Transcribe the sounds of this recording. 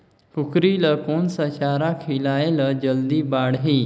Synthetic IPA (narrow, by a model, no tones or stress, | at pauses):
kʰʊkɾiːləkoːnsəʃaːɾakʰilaːeləd͡ʒəld̪iːbaːɽɦiː